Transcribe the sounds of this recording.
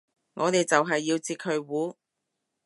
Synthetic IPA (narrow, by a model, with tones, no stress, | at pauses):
ŋɔː˨˧t̪e˨jt͡sɐ˨wɦɐ˨jːiː˧wt͡siː˧k̚hɵ˨˧ɥwuː˨˥